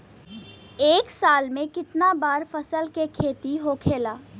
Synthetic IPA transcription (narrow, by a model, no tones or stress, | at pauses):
eːksaːlmẽkɪt̪nabaːɾfəsəlkekʰeːt̪iɦokʰeːlaː